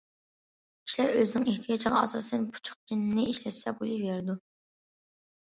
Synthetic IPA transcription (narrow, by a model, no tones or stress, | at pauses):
iʃlæɾøzɪnɪŋeht̪ʰɪjɑt͡ʃʰəʁɑɑ̰sɨsɨnpʰu̥t͡ʃʰu̥χ̚kʲʰinɪnɪiʃlɛt̪sɛbojˠiveɾɪd̪u